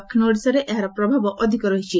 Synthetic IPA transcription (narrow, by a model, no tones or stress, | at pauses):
kʰnoɽisɔɾeʔeɦaɾɔpɾɔbʱabɔʔɔd̪ʱikɔɾɔɦit͡ʃʰi